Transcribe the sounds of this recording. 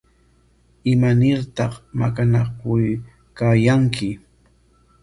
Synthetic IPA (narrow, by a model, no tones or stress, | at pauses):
ɪmanɪɾt̪ɑχma̰kanakʊj | kajaŋkʰɪ